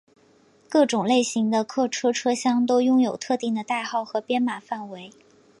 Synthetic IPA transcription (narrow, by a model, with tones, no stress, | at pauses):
kɤ˥˩ʈ͡ʂʊ˨˩ŋle˥˩ɪɕi˧˥ŋd̪ə˧kʰɤ˥˩ʈ͡ʂʰɤ˥ʈ͡ʂʰɤ˥ɕjɑ˥ŋt̪o˥ʊjʊ˥ŋjo˨˩ʊt̪ʰɤ˥˧t̪i˥˩ŋd̪ə˩t̪a˥˧ɪxɑ˥˩ʊxɤ˧˥pjɛ˥nma˨˩fa˥˩nwe˧˥ɪ